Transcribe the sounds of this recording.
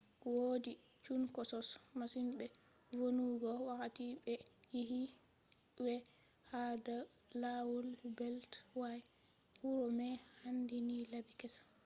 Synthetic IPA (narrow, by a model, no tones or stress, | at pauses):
wodi | t͡ʃunkɔsɔsmasinɓɛ | vonuɡɔwakatiɓɛjiɦi | wɛ | hadalawɔlbɛltwaj | huɾɔmɛhandinilabikɛsḁ